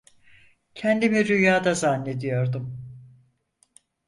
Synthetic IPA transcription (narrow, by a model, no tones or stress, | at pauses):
cʰɛnd̪imiɾyjaːd̪azanːe̞d̪ijo̞ɾd̪um